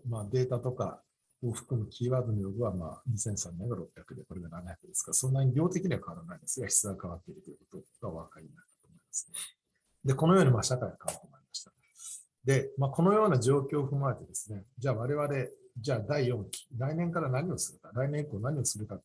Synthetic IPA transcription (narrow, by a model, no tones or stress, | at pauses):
maːd̪e̞ːt̪at̪o̞ka̰ | o̞ɸɯ̟̥kɯ̟mɯ̟kʲiːβaːd̪o̞nojoɡɯ̟βama̰ːɲ̟isẽ̞ɰ̃sãnːẽŋɡaɾo̞pʲːjakɯ̟d̪e̞ko̞ɾe̞ɡananaçakɯ̟d̪e̞sɨ̥kaɾasõ̞nːaɲiɡʲo̞ːt̪e̞kʲiɲ̟iβakʰaβaɾanaĩnd̪esɨɡaçi̥t͡sɨɡakaβat̪ːe̞iɾɯ̟t̪o̞jɯ̟ko̞̥t̪o̞ɡaβakainat̪ːḁt̪o̞ːmo̞imasɨ̥n | d̪eko̞no̞jo̞ːɲ̟imaɕakaiokãkomaɾʲimaɕi̥t̪ḁ | d̪e̞maːko̞no̞jo̞ːnaʑo̞ːkʲo̞ːɸɯ̟mae̞t̪e̞d̪e̞sɨne̞d͡ʑaːβaɾe̞β̞aɾe̞ | d͡ʑaːd̪aijõ̞ŋkʲi̥ɾainẽ̞ŋkaɾanaɲ̟io̞sɨɾɯ̟kaɾainẽ̞ŋikoːnaɲ̟io̞sɨɾɯ̟kat̪